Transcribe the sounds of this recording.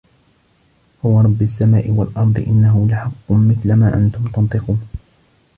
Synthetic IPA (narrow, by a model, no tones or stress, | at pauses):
hʊwɑɾˤɑbːasːamaːʔɪwalʔɑɾˤd̪ˤɨ̰ʔɪnːaɦʊlaħɑqːʊmmɪθlamaːʔa̰nt̪ʊmt̪ɑnt̪ˤɨquːn